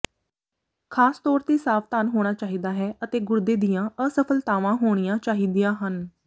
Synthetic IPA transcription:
kʰaːst̪ɔːɾt̪iːsaːft̪aːnɦoːɽ̃aːt͡ʃaːɦiːd̪aːɦɛːʔət̪eːɡʊɾd̪eːd̪ijãːʔəsəpʰəlt̪aːʋãːɦoːɽ̃ijãːt͡ʃaːɦiːd̪ijãːɦən

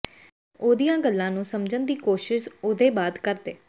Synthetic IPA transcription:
oːd̪ijãːɡəlːãːnũːsəmd͡ʒənd̪iːkoːʃɪʃoːd̪eːbaːd̪kəɾd̪eː

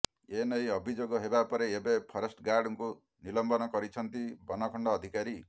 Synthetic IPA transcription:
enʌĩɔbʱid͡ʒoɡɔɦebapɔɾeːbepʰɔɾɔsʈɡaɾɖɔŋku | nilɔmbɔnɔkɔɾit͡ʃʰʌnt̪ibɔnɔkʰɔɳɖɔːd̪ʱikaɾi

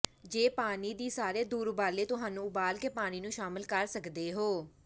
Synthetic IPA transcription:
d͡ʒeːpaːniːd̪iːsaːɾeːd̪uːɾʊbaːleːt̪ʊɦaːnũːʊbaːlkeːpaːniːnũːʃaːmɪlkəɾsəkd̪eːɦoː

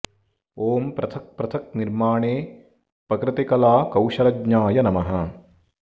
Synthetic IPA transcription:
oːmpɾɐt̪ʰɐk̚pɾɐt̪ʰɐk̚niɾmaːɳeː | pɐkɾɪt̪ikɐlaːkɐwʃɐɾɐɡɲaːjɐnɐmɐɦɐ

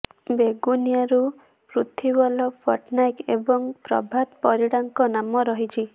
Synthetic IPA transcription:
beɡunjaɾu | pɾut̪ʰibɔlɔpʰɔʈnajkebɔŋpɾɔ̰bʱat̪pɔɾiɽaŋkɔnamɔɾɔɦit͡ʃʰi

